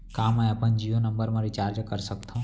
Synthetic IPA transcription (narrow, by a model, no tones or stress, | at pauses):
kaːmːɛ̃əpənd͡ʒijonəmbəɾmãɾit͡ʃaːɾd͡ʒkəɾsəkt̪ʰã